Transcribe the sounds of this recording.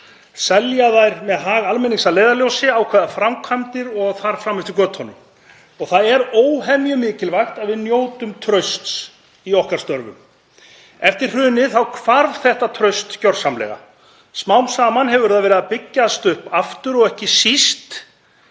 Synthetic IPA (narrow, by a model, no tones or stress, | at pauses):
sɛljaðajɾmɛðɦaːɣalmɛnːiŋsaleːjðaljowsɪaːwkʰvɛːðafɾamkʰvamt̪ɪɾɔɣθaɾ̥fɾamːɛft̪ɪɾkœːt̪hɔnːʏm | ɔɣθaðɛɾoːwɦɛmjʏmɪːcɪlvajxt̪aðvɪðnjoːwt̪ʏmt̪ʰɾœɥst̪s | iɔhkaɾ̥st̪œɾvʏ̰m | ɛft̪ɪr̥r̥ʏːnɪθawkʰvaɾvθɛht̪at̪ʰɾœɥst̪cœɾ̥samlɛ̰ɣa̰ | smawmsaːmanɦɛvʏɾðaðvɛːɾɪðapɪcːast̪ʏhpaft̪ʏɾɔɣɛhcɪsist̪